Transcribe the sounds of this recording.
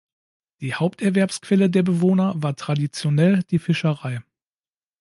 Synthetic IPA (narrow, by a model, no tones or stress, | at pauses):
d̥iːhaʊp̚tɛɐvɛɐpskv̥ɛlədeːɐbəvoːnɐvaːɐtʁ̥adit͡sjonɛld̥iːfɪʃəʁaɪ